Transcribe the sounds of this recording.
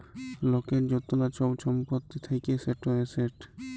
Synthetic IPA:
lokeɾd͡ʑot̪ːolat͡ɕowt͡ɕʰɔmpot̪ːit̪ʰekeseʈoeseʈ

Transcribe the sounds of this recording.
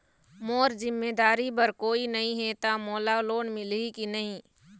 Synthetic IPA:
moːɾzɪmːeːd̪aːɾibəɾkoːinɐɦĩɦɛt̪amoːlaloːnmɪlikinɐɦĩ

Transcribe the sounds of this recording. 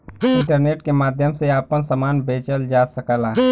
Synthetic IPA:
ɪ̃ɳʈəɾneːʈkemaːd̪ʱjəmseaːpənsɐmaːnbeːt͡ʃəld͡ʒaːsəkəlaː

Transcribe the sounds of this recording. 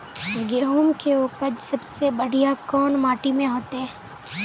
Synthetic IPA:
ɡeːɦuːmkeuːpəd͡ʒsɐbsebɐɽ̤ijakɔːnmaːʈimẽɦoːt̪eɦɛ̃ː

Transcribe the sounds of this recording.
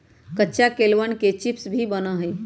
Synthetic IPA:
kətːt͡ʃakelʋənket͡ʃipsbʱibənaɦəj

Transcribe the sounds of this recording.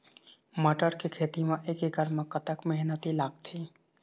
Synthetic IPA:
məʈəɾkekʰeːt̪imeʔeːkeɡəɾmẽkət̪əkmɛɦnət̪ilaːɡt̪ʰiː

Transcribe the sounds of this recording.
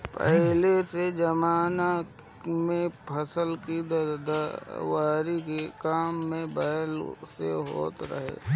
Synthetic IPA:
pɛɦlesed͡ʒɐmaːna | mẽpʰəsəlkid̪d̪awaːɾikekaːmːẽbəəlseɦo̰ːt̪ɾə̰ɦḛː

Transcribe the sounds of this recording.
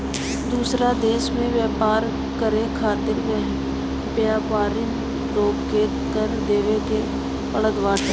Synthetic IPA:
d̪uːsɾad̪eːʃmẽʋjɛːpaːɾ | kəɾekʰaːt̪ɪɾmẽɦ | pjaːpaːɾɪn | ɾoːɡkeːt̪kəɾd̪eːʋeke | pəɽəd̪ʋaːʈʰː

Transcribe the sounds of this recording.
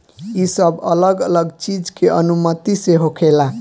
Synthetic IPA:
isəbʱə̰ləɡələɡt͡ʃid͡ʒkeʔənumət̪iseɦokʰela

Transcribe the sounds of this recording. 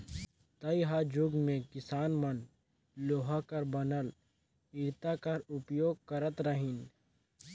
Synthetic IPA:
t̪ɐjɦad͡ʒʊɡmẽkɪsaːnmən | loːɦakɐɾbɐnəl | ɪɾt̪akɐɾʊpjoːɡ̚kɐɾət̪ɾəɦɪn

